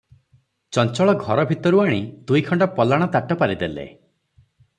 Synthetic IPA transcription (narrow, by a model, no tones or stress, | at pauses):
t͡ʃɔnt͡ʃɔɭɔɡʱɔɾɔbʱit̪ɔɾuaɽ̃id̪ujkʰɔɳɖɔpɔlaɽ̃ɔt̪aʈɔpaɾid̪elḛ